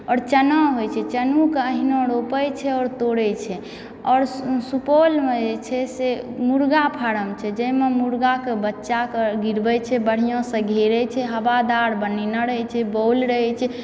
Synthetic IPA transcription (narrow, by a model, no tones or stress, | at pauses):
ɔːɾt͡ʃənɔɦojt͡ʃʰɛt͡ʃənukeəɦinõɾopəjt͡ʃʰɛɔːɾt̪oɽɛt͡ʃʰɛ | ɔːɾsupolmed͡ʒet͡ʃʰɛsemuɾɡapʰaɾəmt͡ʃʰɛd͡ʒəimemuɾɡakebətːʃakeɡiɾbɛjt͡ʃʰɛbəɽ̤ijõsə̃ɡʱeɾɛt͡ʃʰɛɦəbad̪aɾbəninəɾəɦɛt͡ʃʰɛbowlɾəɦɛt͡ʃʰɛ